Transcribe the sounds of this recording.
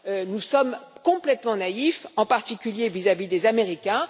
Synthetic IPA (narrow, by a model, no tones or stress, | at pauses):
ønusɔmkɔ̃plɛt̪mɑ̃naifɑ̃paʁt̪ikʲyljevizavid̪ezameʁikʲɛ̃